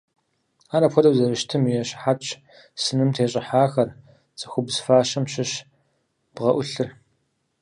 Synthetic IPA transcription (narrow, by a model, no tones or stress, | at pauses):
aːɾɐpʷʰɔdɐwzɐrɨʃtʰɨmijɛɕħat͡ʃʰʼ | sɨnɨmtʰeːɕʼɪħaːxɐr | t͡sʼɐxʷʊbzfaːɕɐmɕɪɕ | b̥ʁɐʔʷʊɬɨr